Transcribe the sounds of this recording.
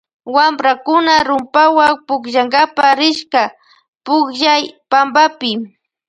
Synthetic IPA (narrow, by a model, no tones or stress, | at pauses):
wambɾakʊnaɾʊmpawaŋpʊkʒaŋɡapaɾɪʃka | pʊkʒajpambapɪ